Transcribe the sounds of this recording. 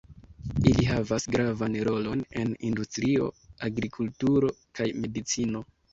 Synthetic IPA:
iliɦavasɡɾavanɾo̞lo̞ne̞̰nindustɾio̞̰aɡɾikʰultuɾo̞kʰajme̞dit͡sino̞

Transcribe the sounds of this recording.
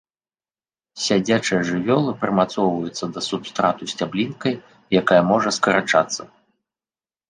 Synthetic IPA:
sʲad͡zʲat͡ʂɨjɐʐɨvʲɔlˠɨpɾɨmat̪sɔwvɐjut̪sːɐd̪ɐsupst̪ɾat̪usʲt͡sʲablʲinkɐj | jakajɐmɔʐɐskɐɾat͡ʂa̰t̪sːɐ

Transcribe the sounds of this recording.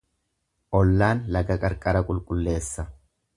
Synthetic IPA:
ʔɔlːaːnlɐkɐkʼɐɾkʼɐɾɐkʼʊlkʼʊlːe̞ːsːɐ

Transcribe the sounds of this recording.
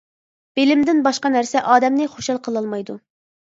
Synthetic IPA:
b̥elɪmd̪ɪnbɑʃqɑnæɾsɛʔɑːd̪ɛmnɨχoʃɑlˠqʰəlˠɑlˠmɑjd̪u

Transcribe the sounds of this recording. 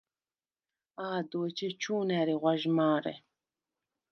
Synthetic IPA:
aːd̪oːt͡ʃʰet͡ʃʰuːnɛɾiʁʷaʒmaːɾɛ̰

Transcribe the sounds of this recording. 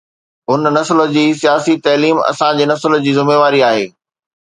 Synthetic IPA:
ʊnnɐslə̆d͡ʑiːsijaːsit̪ɐːliːmɐ̰sãd͡ʑeːnɐsləd͡ʑiːzɪmeːʋaːɾiaːɦḛː

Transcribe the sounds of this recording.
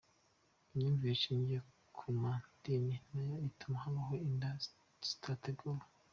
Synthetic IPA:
imɲiːɱviɾit͡ʃiːɲɟie | kʰumandiminajaitumahaβaɦoinda | stʰateɡol

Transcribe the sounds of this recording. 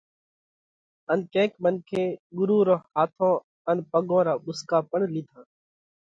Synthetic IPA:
ənkẽːkmənkʰẽːɡʊɾuːɾõːhaːt̪ʰõː | ənpəɠõːɾaːɓʊskaːpəɳliːt̪ʰãː

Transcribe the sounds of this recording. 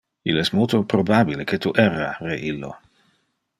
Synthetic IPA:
ilɛsmolt̪opɾobabileket̪uʔɛrareʔilːo̰

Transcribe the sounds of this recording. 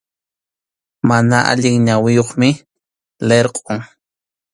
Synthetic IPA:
manaʔa̰ʎɪŋɲawɪjoχmɪ | leɾqʼoŋ

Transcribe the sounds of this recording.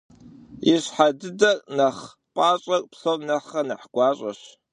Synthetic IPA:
iɕħadɨdɐrnɐχ | pʼaːɕʼɐkʷʼpɬownɐχɐnɐħɡ̥ʷɑːɕʼɐ̰ɕ

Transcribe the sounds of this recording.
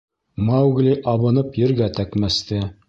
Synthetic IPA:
mɑwɡlʲiʔɑβɤ̆nɤpjɘ̆ɾɡæt̪ækmæst̪ɘ

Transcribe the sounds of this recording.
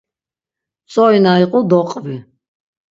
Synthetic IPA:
sʼɔinaiqʼɔd̪ɔqʼvi

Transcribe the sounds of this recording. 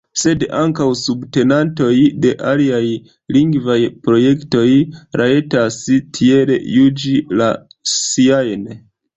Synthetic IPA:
se̞daŋkawsubte̞nanto̞jde̞ʔaliaj | liŋɡvajpɾo̞je̞kto̞jɾʔaetastʰie̞ɾḛjud͡ʒilasiajn

